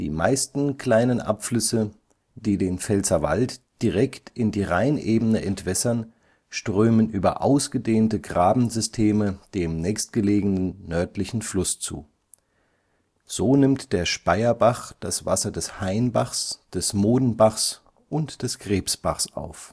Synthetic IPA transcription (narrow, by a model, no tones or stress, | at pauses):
d̥ḭːma̰ɪstn̩kʰl̥aɪnənʔa̰pflʏsə | d̥iːdeːnfɛlt͡sɐva̰ltd̥iʁ̞ɛktɪndiːʁaɪnʔeːbənəʔɛntv̥ɛsɐn | ʃtʁ̥øːmənʔyːbɐ̰ʔaʊsɡ̥ədeːntəɡʁaːbm̩zʏstʰeːməd̥eːmnɛːçst̚ɡ̥əleːɡənənːœɐtlɪçn̩flʊst͡sṵː | z̥oːnɪmtd̥eːɐʃpaɪɐbaχd̥asv̥asɐdɛshaɪnbaχsd̥ɛsmoːdn̩baχs | ʔʊntd̥ɛsɡ̥ʁeːpsb̥aχsʔa̰ʊf